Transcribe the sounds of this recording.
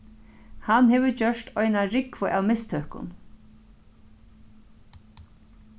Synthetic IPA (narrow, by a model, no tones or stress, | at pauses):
hanɦeːʋəd͡ʒœʂt̪ɔjnaɾɪkʋʊʔawmɪst̪ʰøːhkʊ̰n